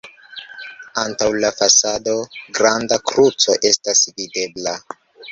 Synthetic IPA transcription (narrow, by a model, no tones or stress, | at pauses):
antawlafasado̞ɡɾandakɾut͡so̞ʔe̞stasvide̞bla